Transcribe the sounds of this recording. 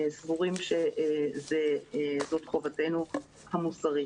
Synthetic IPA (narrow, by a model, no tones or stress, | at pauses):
svuʁimʃezezo̞tχo̞vate̞nu | hamusaʁi